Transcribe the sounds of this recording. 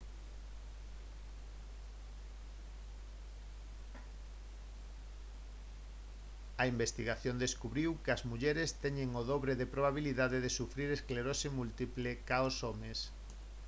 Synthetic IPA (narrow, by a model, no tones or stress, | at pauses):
ɐimbest̪iɣaθjond̪eskuβɾiwkɪɐzmuʎeɾest̪ɛɲeŋoðoβɾeðepɾoβaβ̞iliðaðeðesufɾiɾeskleɾosemult̪iplekaosomes